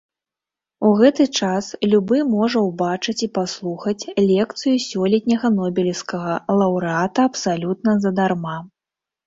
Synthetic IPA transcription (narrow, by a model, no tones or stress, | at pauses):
uɣɛt̪ɨt͡ʂaslʲubɨmɔʐɐwbat͡ʂɨt͡sʲipaslˠuxɐt͡sʲlʲɛkt̪sɨjusʲɔlʲɛt̪ʲnʲɐɣɐnɔbʲɛlʲiskɐɣɐlˠɐwɾɨat̪ɐɐpsalʲut̪̚nɐzɐd̪arma